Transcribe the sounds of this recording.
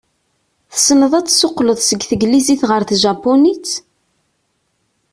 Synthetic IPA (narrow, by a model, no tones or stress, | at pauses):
θə̥snəðˤæt͡sːsʊqːləðˤsəɡθəɡliziθʁəɾθʒapːonit͡s